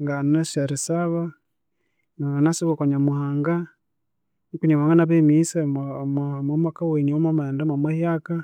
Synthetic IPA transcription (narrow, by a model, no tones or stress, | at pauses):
ŋɡanaʃaɾisaβa | naanasiβakoɲamuhaːŋɡa | nikuɲamuhaŋɡanaβemisemmamakaweɲiomamandamamwahjaka